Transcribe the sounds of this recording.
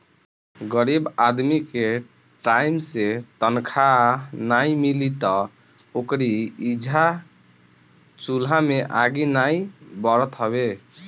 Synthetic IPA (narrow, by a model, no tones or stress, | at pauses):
ɡəɾibad̪mike | ʈaimset̪ənkʰanaimilit̪ɔ | okɾiːd͡ʒʱa | t͡ʃulameʔaɡinaibɔɾət̪ɦəβe